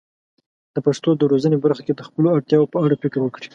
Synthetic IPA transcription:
d̪̥əpaʂt̪od̪əɾozənebaɾxaked̪əxpəloaɽt̪jɑwopəaɽapɪkɾwəkɽi̥

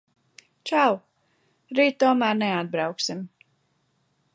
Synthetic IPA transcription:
t͡ʃaw | ɾiːt̪̚ːuɔmæːɾnɛad̪̚bɾawksim

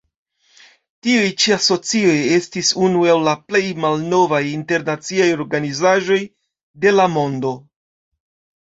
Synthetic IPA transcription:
tiujt͡ʃiaso̞t͡sio̞je̞stisunuawlaple̞jmalno̞vajinte̞ɾnat͡siajo̞ɾɡanizaʒo̞j | de̞lamo̞ndo̞

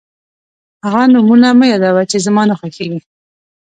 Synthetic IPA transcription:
haɣanʊmunaməjɑd̪awat͡ʃezamɑnʊxakeɡi

